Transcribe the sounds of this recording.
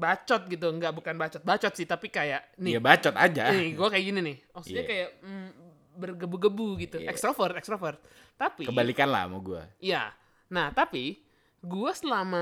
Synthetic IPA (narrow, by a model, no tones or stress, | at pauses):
bat͡ʃɔt̪̚ɡit̪̬uŋɡaʔbukanbat͡ʃɔt̪̚bat͡ʃɔt̪̚sɪht̪apikajaʔnɪjabat͡ʃɔt̪ad͡ʒanɪɡuakajaɡininɪhɔsɲakajaʔ | bərɡəbuɡəbuɡit̪uʔɛkst̪ɾafərt̪ɛkst̪ɾafərt̪̚ | t̪apikəbalikanla̰moɡua̰ja̰ | naht̪api | ɡuasəlama